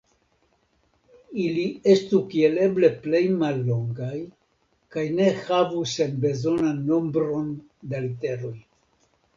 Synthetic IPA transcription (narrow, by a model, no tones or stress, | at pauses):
ilie̞stukie̞le̞ble̞ple̞jmalːo̞ŋɡaj | kajne̞havuse̞nbe̞zo̞nanːo̞mbɾo̞n | dalite̞ɾo̞j